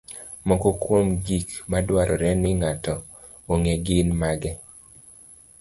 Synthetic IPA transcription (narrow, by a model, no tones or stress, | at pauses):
mɔkɔkwomɡikmadwaɾʔɔɾɛnɪŋatɔ | oŋeɡɪnmaɡɛ